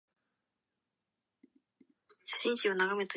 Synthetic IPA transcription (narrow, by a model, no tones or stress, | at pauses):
ɕḁɕĩɰ̃ɕionaɡame̞t̪o